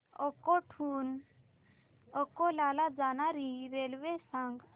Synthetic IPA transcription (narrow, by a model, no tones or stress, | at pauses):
ɔkɔʈʰuːn | ɔkɔlalad͡zanaɾiɾelʋesaŋɡ